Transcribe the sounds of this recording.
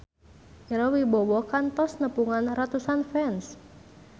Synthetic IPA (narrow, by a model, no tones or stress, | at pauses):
ʔiɾɔwibɔwɔkant̪ɔsnəpuŋanrat̪usanfɛns